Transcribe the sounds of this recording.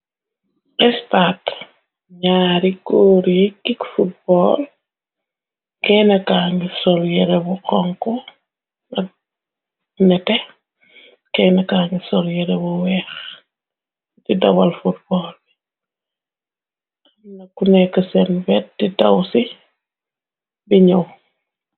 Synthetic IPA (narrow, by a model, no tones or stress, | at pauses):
ʔɛstaːt | ɲaːɾikoːɾjikikfut̚bɔːl | kɛːnɐkaːɲɡusɔljɛɾɛbuqɔŋkɔ | ɐk̚ | nɛtɛ | kɛnɐkaːŋɡisɔljɛɾɛbuwɛːx | didɐwɐlfut̚bɔːlbi | ɐmnɐkunɛkəsɛnbɛt̚ditɐwsi | biɲɐw